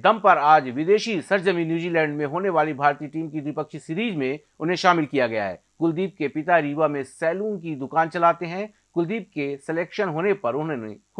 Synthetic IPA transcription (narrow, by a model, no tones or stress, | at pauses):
d̪ɐmpɐɾaːd͡ʒʋɪd̪eːʃisɐɾd͡ʒəminjuːd͡ʒiːlɛ̃ːɳɖmẽɦoːneʋaːlibʱaːɾt̪iːʈiːmkid̪wɪpəkʃsɪɾiːd͡ʒmẽ | ʊnɦẽʃaːmɪlkijaɡɐja̰ɦɛ̰ː | kʊld̪iːp̚kepɪt̪aɾiːʋamẽsɛːluːnkid̪ʊkaːnt͡ʃɐlaːt̪eɦɛ̃ | kʊld̪iːp̚kesɛleːkʃənɦoːnepɐɾʊnɦe